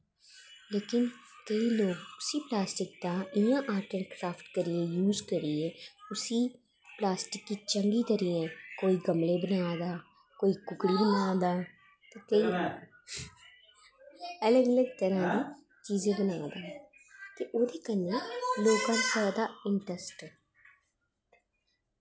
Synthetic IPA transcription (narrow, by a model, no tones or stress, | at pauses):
leːkɪnkəiːloːɡʊsiːplaːsʈɪk̚d̪ãːɪjãːʔaːɾʈənkɾaːfʈkəɾɪɛ̃ːjuːzkəɾiɛːʊsiː | plaːsʈɪkːiːt͡ʃəŋɡiːt̪əɾiːɛ̃ːkoːiːɡəmɽeːbənaːd̪aː | koːiːkʊkɽiːbənaːd̪aː | t̪eːkəiː | ələɡələɡt̪əɾãːd̪iː | t͡ʃiːzẽːbənaːd̪aː | t̪eːʔoːd̪eːkənẽːloːɡãːpɛɾd̪aːɪɳʈəsʈː